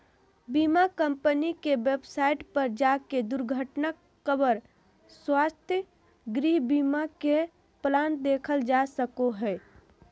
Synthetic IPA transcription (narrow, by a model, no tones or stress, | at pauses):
bimakəmpənikewebsaɪʈpəɾd͡ʒaked̪uɾɡʱəʈna | kəbəɾ | swast̪ʰjə | ɡɾiɦbimake | pland̪ekʰəld͡ʒasəkoɦɛː